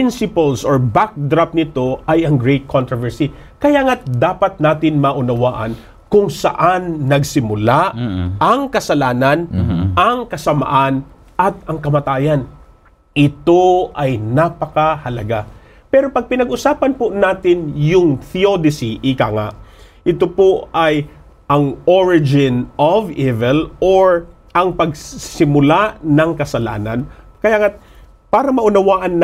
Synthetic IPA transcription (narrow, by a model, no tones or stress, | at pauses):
pɪnsɪpɐlsoɹbak̚d̪ɾap̚nɪt̪o̞ʔɐjɐŋɡɹɛjt̪̚kʰont̪ɾovɛɹsi | kɐjaːŋad̪aːpɐt̪̚naːt̪ɪnmɐʔʊnɐwaːʔɐ̰n | kʊŋsɐ̰ʔanːɐɡsɪmʊlaʔɐŋkɐsɐlaːnɐnʔɐŋkɐsɐmɐ̰ʔan | ʔɐt̪̚ɐŋkɐmɐt̪aːjɐn | ʔɪt̪oʔɐjnaːpɐkahɐlɐ̰ɡa | pɛɾo̞pɐɡ̚pɪnɐɡʔʊsaːpɐnponaːt̪ɪnjʊŋθiod̪ɪsiʔɪka̰ːŋa̰ʔ | ʔɪt̪opoaj | ʔɐŋoɹɪd͡ʒɪnovivɛloɹ | ɐŋpɐɡsɪmʊlaʔnɐŋkɐsɐla̰ːnɐnkɐjaːŋa | paːɾɐmɐʔʊnɐwaːʔɐnː